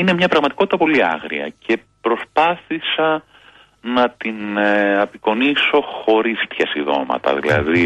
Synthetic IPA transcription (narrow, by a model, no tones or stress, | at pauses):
ine̞mɲɐpɾɐɣmɐt̪i̥ko̞t̪it̪ɐpo̞liɐ̰ɣɾḭɐ̰cʰe̞pɾo̞spɐθisɐ | nɐt̪inɐpiko̞niso̞xo̞ɾist̪çɐsiðo̞̰mɐ̰t̪ɐ̰ðilɐ̰ði